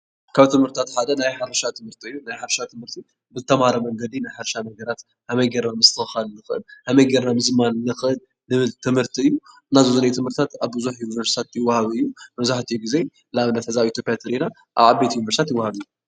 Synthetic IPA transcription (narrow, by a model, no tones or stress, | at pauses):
kʰaβt̪ʰɨmhɨɾt̪ʰat̪ħad̪ɐnajħaɾɐʃat̪ʰɨmhɨɾt̪ʰiɨjːunajħaɾʃat̪ʰɨmhɨɾt̪ʰi | bɨt̪ʰɐmaɾɐmɐŋɡɐd̪inajħaɾʃanɐɡɐɾat̪ | hamɐjɡɐɾnamɨst̪ʰɨxalnɨxɨʔɨ̰nhamɐjɡeɾnamɨzmannɨxɨʔɨnːɨβɨlt̪ʰɨmhɨɾt̪ʰiɨjːu | nazuzunɐjt̪ʰɨmhɨɾt̪ʰat̪aβbɨzuħjunivɐɾsi̥t̪ʰat̪jɪwːahaβɨjːumɐβzaħt̪ʰijuɡize | laβɨnːɐt̪ʰɐzait̪ʰjopːjat̪ʰɨɾina | ʔaβʕabet̪junivɐɾst̪ʰat̪jɪwːahaβɨjːu